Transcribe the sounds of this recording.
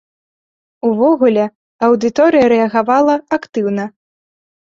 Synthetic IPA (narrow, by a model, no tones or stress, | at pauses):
uvɔɣulʲɛ | ɐwd̪ɨt̪ɔɾɨjɐɾɛɐɣavalˠɐakt̪ɨwnɐ